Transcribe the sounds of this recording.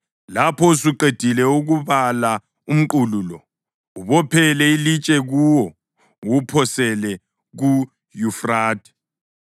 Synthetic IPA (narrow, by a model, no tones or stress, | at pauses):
lapʰɔsuǃed̥ʱilɛuɣuβala | um̩ǃululɔ | uβɔpʰɛlɛilit͡ʃʼɛɣuwɔ | wupʰɔsɛlɛ | ɣu | jufraːd̥ʱɛ̥